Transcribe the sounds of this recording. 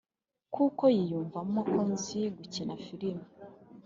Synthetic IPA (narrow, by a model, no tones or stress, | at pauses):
kukojijuːɱvamumakonziɡucinafiɾima